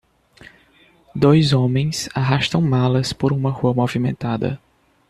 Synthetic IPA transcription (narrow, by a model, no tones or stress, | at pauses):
d̪ojzõmẽj̃saɦaʃt̪ɐ̃w̃malɐspoɾũmɐhuɐmovimẽnt̪ad̪ɐ̰